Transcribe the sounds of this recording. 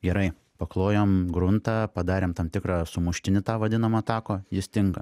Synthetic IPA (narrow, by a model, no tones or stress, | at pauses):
ɡʲɛɾɐɪ | pɐklˠoːjoːmɡɾʊnt̪ɑpɐd̪ɑːɾʲeːmt̪ɐmt̪ʲɪkrɑːsʊmʊʃʲt̪ʲɪnʲɪt̪ɑːʋɐd̪ʲɪnɐmoːɐt̪ɑːkoːjɪst̪ʲɪŋkɐ̰